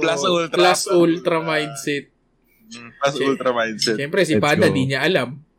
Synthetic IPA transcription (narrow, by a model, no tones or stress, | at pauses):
plasult̪plasult̪ɾɐmajd̪sɛt̪̚ | plasult̪ɾɐmajd̪sɛɛmpɾɛsɪpaːd̪ɐd̪iɲaʔɐlam